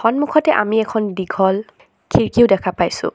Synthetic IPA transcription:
xɔnmukʰɔtɛʔamiɛkʰɔndiɡʱɔl | kʰiɹkiʊdɛkʰapajsʊ̰

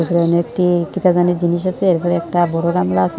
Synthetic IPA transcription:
ɾpɾeɔnoek̚ʈikit̪azaned͡ʑiniʃ̬asʰeeɾpɔɾeɛk̚ʈabɔɽoɡamlaasʰ

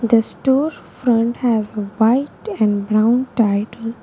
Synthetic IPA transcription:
d̪əsʈɔːɾfɾʌ̃ɳʈhæzʋaɪʈɛ̃ɳɖbɾãʊ̃nʈaɪʈəl

